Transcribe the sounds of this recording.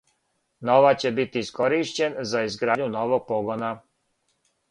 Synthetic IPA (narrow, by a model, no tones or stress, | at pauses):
noʋat͡ɕe̞bit̪iːsko̞ɾiʃt͡ɕenzaizɡɾaːdɲunoʋoɡ̚poɡona